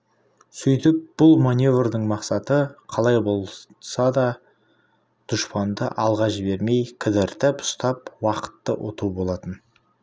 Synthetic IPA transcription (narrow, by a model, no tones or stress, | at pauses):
sʏjt̪ɪp̚b̥ʊlˠmanʲjo̞vrd̪əɴmɑqsɑt̪əqʰɑlˠɑjbo̞lˠ | sɑd̪ɑ | d̪̥ʊʃpɑnd̪ə̰ʔɑlˠʁɑʒɪbeɾme̞jkʲʰɪd̪ɪɾt̪ɪpʊ̥st̪ɑpwɑqə̥t̪ːəwʔo̞̰t̪ubo̞lˠɑt̪ən